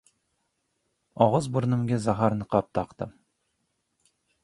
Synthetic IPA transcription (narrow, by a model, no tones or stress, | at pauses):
ɑʁəzbuɾnɨmɡʲɛzɑɦɑɾnɨqʰɑp̚t̪ʰɑqt̪ɨm